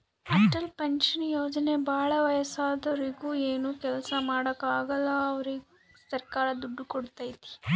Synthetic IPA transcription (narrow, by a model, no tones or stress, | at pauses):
ɐʈɐlpeɲʃɐnjoːd͡ʒɐne̞bʱaːɭɐʋɐjɐsaːd̪ɐʋɾiɡuːeːnuːkɛlɐsɐmaːɽɐkaːɡɐlːɐːʋɐɾiɡu | sɐɾkaːɾɐd̪uɖːukoɽt̪aːjt̪i̥